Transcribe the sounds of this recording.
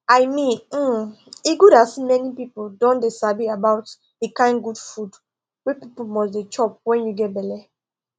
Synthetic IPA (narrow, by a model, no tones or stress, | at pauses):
ajmĩnm̩ | iɡuɾasimɛnipipoldɔ̃ndesabiabaʊt | ekãɪ̃nɡud̥fud | wepipomɔs̬det͡ʃɔp̚wɛ̃njuɡɛt̚bɛlɛ